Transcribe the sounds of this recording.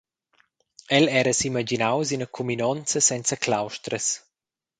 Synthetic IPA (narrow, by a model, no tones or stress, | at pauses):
ɛlɛːɾəsimad͡ʒinawsinəkʰuminɔnt͡səsɛnt͡səklawʃt̪ɾəs